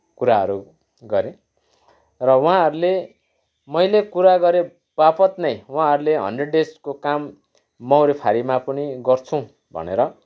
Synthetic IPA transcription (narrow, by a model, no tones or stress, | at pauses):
kuɾaɦʌ̰ɾu | ɡʌɾẽ | rʌwʌãɦʌɾule | mʌjlekuɾaɡʌɾe | b̥apʌt̪nʌjwɦãɦʌɾuleɦʌ̰nɖeɖeskokamː | awɾepʰaɾimapʌniɡʌrt͡sʰũ | bʱʌ̰neɾʌ